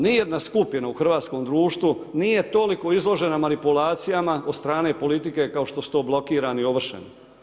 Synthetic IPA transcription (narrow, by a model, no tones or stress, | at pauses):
nijed̪naskupjinauxr̩ʋaːt̪sko̞ːmd̪ɾuːʃt̪ʋunije̞t̪o̞liko̞izlˠo̞ʒe̞namanipulaːt̪sijamao̞d̪st̪ɾaːne̞po̞lit̪ike̞kao̞ʃt̪osu̥t̪o̞ːblo̞kiːɾanio̞ʋr̩ʃḛn